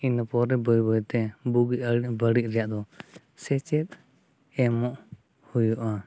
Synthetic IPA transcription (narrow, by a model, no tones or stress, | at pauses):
inəpɔɾɛbɔjbɔjt̪ɛbuɡibəɽiʔ̚ɾɛjaʔd̪ɔ | sɛt͡ʃɛt̪̚ | ɛmɔʔ | hujuʔa